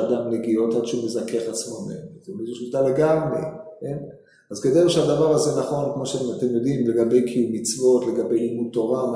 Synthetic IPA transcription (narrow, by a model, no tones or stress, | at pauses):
adamneɡio̞t̪ad̪ʃeumezake̞χat͡smo̞mḛmtmizuʃit̪ale̞ɡamʁḛke̞n | azked̪ejuʃead̪avaʁazenaχo̞nkmo̞ʃeat̪e̞mjo̞d̪imle̞ɡabe̞jkʰijumːit͡svo̞t̪le̞ɡabe̞jlimut̪ːo̞ʁam